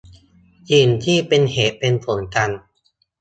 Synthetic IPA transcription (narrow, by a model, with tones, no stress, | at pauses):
jiː˨˩nt̪ʰiː˥˩pe˧nheː˨˩t̪̚pe˧npʰo˩˦nka˧n